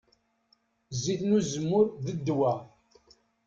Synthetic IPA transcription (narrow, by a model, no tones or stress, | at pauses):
zːiθnuzəmːʊɾðəd̪ːwæ